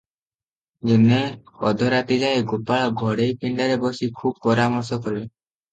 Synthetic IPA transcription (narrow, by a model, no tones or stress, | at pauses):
d͡ʒuneɔd̪ʱɔɾat̪id͡ʒaeɡopaɭɔɡʱɔɽejpiɳɖaɾebɔsikʰub̚pɔɾamɔɾsɔkɔɾe